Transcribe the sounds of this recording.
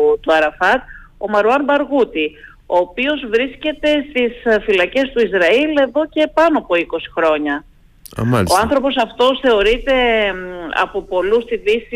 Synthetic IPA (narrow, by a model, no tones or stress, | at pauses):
t̪uɐɾɐfɐt̪̚o̞mɐɾuɐnbɐɾɣut̪i | o̞ːpio̞zvɾisce̞t̪e̞st̪isfilɐce̞st̪uizɾɐile̞ðo̞ce̞pɐnoɐpo̞iko̞si̥xɾo̞ɲɐ | ɐ̰mɐoɐnθɾo̞po̞sɐft̪o̞sθe̞o̞ɾit̪e̞ | ɐ̰po̞po̞lust̪iðisi